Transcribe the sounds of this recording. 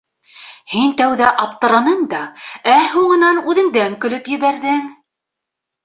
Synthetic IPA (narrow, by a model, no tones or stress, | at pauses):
hint̪æwðæʔɑp̚t̪ɤ̆ɾɑnɤɴd̪ɑæhuɴɤ̆nɑnʉðɘ̆ŋd̪æŋkɵ̆lɵpjɘ̆βæɾðɘŋ